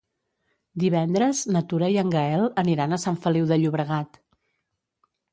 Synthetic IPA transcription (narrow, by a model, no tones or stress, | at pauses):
d̪iβ̞ɛnd̪ɾəznət̪uɾəiəŋɡəɛlˠəniɾanəsaɱfəliwðəʎuβɾəɣ̞at̪